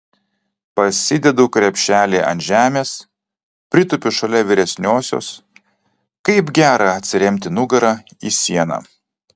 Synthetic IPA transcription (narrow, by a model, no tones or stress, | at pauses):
pɐsʲɪd̪ʲɛd̪uːkɾʲɛpʲʃʲæːlʲeːʔɐ̰nt̪ʒʲæːmʲeːs | pʲɾʲɪt̪ʊpʲʊʃɐlʲɛʋʲɪɾʲɛsʲnʲoːsʲo̰ːs | kɐɪbɡʲæːɾɑɐt̪ʲsʲɪɾʲɛmʲt̪ʲɪnʊɡɐɾɑiːsʲiɛnɑ̰ː